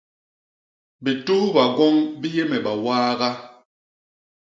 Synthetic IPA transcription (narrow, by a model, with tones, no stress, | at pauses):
bi˨tu˦hba˨ɡɔ˦ŋbi˦jɛ˦mɛ˨ɓa˨waː˦ɣa˦